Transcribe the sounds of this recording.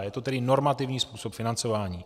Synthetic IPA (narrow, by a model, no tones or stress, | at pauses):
jɛt̪ot̪ɛdɪno̞ɾmat̪ɪvɲiːspuːsopfɪnant͡so̞vaːɲiː